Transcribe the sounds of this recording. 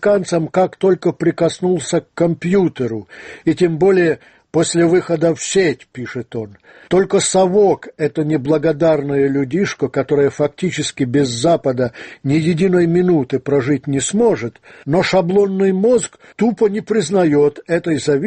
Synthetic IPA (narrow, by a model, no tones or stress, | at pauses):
kant̪səmkakt̪o̞lʲkəpɾʲɪkɐsnulˠsʲəkːɐmpʲjut̪əɾʊitʲembolʲɪjə | posʲlʲɪvɨxəd̪əfsʲetʲpʲiʂɨt̪o̞n | t̪o̞lʲkəsɐvokɛt̪ənʲɪblˠəɡɐd̪arnəjəlʲʊdʲiʂkəkɐt̪o̞ɾəjəfɐktʲit͡ɕɪskʲɪbʲɪzːapəd̪ənʲɪjɪdʲinəjmʲɪnut̪ɨpɾɐʐɨtʲnʲɪsmoʐɨt̪noʂɐblˠo̞nːɨjmozk | t̪upənʲɪpɾʲɪznɐjo̞t̪ɛt̪əjzɐvʲ